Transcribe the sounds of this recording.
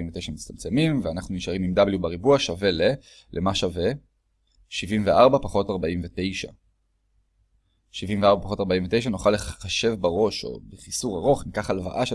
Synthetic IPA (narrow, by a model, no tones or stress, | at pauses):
imvetejʃamit͡sst̪amt͡se̞mimveanaχnuniʃaʁimimd̪abljubaʁibuaʃave̞le | lʔemaʃave̞ | ʃivimveʔaʁbapaχo̞taʁbaimve̞te̞jʃa̰ | ʃivimveaʁbapaχo̞taʁbaĩmvetejʃ̬anoχaleχaʃe̞vbaʁo̞ʃo̞̰beχisuʁaʁo̞χnikaχalva̰ʔaʃ